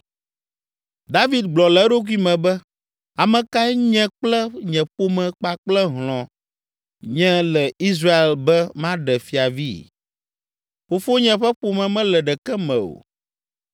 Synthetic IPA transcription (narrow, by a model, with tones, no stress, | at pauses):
d̪a˦vi˨d̪̚ɡ͡blɔ˨lɛ˨˦ɖo˦kwi˦mɛ̃˨bɛ˦ | a˨mɛ̃˨ka˦ɛ˦ɲɛ̃˦k͡plɛ˦ɲɛ̃˨ɸo˦mɛ̃˨k͡pa˨k͡plɛ˦ɦl̃ɔ̃˨ | ɲɛ̃˦lɛ˨i˦zɾa˦e˨lbɛ˦mã˦ɖɛ˨fi˨a˨vi˦ | fo˨fo˦ɲɛ̃˨ɸɛ˦ɸo˨mɛ̃˨mɛ̃˦lɛ˨ɖɛ˨kɛ˦mɛ̃˨o̰˨